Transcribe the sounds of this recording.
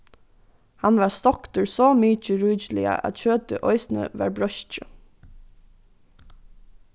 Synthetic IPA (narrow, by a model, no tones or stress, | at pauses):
hɑnʋɑːɹst̪ɔkt̪əɹsoːmyːt͡ʃəɹyːçlɪə̰ʔɑ̰t̪çøːt̪əʔɔʏsn̩ə̰ʋɑ̰ːɹbɹœʃt͡ʃə